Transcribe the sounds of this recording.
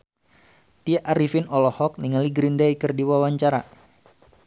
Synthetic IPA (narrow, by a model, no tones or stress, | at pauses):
t̪iaʔaɾifinɔlɔhɔk̚niŋaliɡɾindaikɨrdiwawaɲt͡ʃaɾa̰